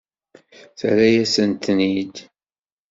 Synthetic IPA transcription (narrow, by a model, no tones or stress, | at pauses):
θaɾæjæsənt̪nid̪